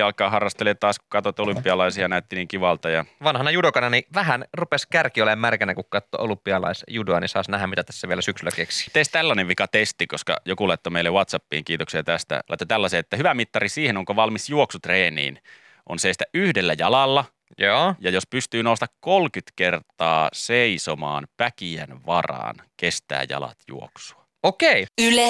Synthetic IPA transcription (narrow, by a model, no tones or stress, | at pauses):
ɑlkˑɑːhɑrːɑst̪elet̪t̪ɑːskukɑt̪ot̪olympːˑiɑlɑisiɑnæyt̪ːiniːŋkiʋɑlt̪ɑjɑʋɑnhɑnɑjudokɑnɑniʋæhænrupeskærkiolemmærkænækukkɑt̪ːo̰ʔolumpːˑiɑlɑ̰isjudoɑnisɑːsnæɦæmmit̪æt̪æ̥sːæʋielæsyksylːˑækeksi̥t̪eist̪ælːɑneʋʋikɑt̪est̪ikoskɑ̰jokulɑit̪ːomeilewɑt̪sɑpːḭːŋkiːt̪oksiɑt̪æst̪æ̰lɑ̰it̪ːˑot̪ælːɑseːet̪ːæhyʋæmit̪ːɑrisiːhenoŋkoʋɑlmisjuoksut̪reːnḭːn | ʔonsest̪æʔyhdelːæjɑlɑlːɑ | joːjɑjospyst̪yːnoust̪ɑkkːolkyt̪kert̪ɑːseisomɑ̰ːnpækiænʋɑrɑ̰ːnkest̪æ̰ːjɑ̰lɑ̰t̪jṵo̰ksu̥ɑ | okeiyle